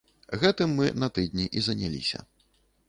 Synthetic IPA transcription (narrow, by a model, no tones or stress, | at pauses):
ɣɛt̪ɨmːɨnɐt̪ɨd̪ʲnʲiʔizɐnʲalʲḭsʲɐ̰